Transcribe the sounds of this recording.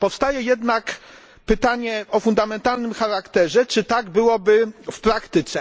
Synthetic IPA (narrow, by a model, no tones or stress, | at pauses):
pɔfst̪ajɛjɛd̪nak | pɘt̪aɲɛɔfund̪amɛnt̪alnɘmxaɾakt̪ɛʐɛt͡ʂɘt̪aɡbɘwɔbɘfpɾakt̪ɘt̪sɛ